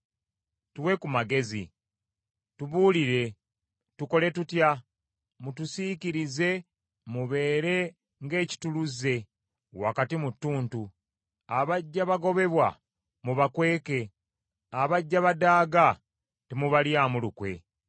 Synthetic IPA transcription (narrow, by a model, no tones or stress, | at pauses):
tuwe̞kumaɡe̞zḭ | tuβuːliɾe̞ | tuko̞le̞tutja | mutusiciɾize̞ | muβe̞ːɾe̞ | ŋɡe̞ːci̥tuluze̞ | wakatimutːuːntu | aβaɟːaβaɡo̞βe̞βwa | muβakwe̞ːke̞ | aβaɟːaβadaːɡa | temuβaljaːmulukwe̞̰